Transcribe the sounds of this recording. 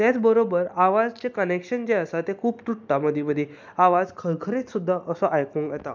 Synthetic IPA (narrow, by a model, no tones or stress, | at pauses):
t̪jat͡sbəɾobəɾaʋad͡zt͡ɕekənekɕənd͡ʑeəsat̪ekʰuːpt̪uʈʈaməd̪ʱibəd̪ʱi | aʋad͡zkʰəɾkʰəɾit͡ssud̪ʱːaʔəsɔʔajkũŋɡat̪a̰